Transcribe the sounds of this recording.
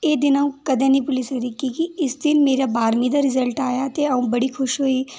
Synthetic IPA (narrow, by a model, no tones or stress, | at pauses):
eːd̪ɪnaũkɐd̪ẽnĩpʊlɪsɐɡɾikikiɪsd̪ɪnmeːɾabaːɾmĩd̪aɾɪzəlʈaːjat̪eɐũbɐɽixʊʃɦoːi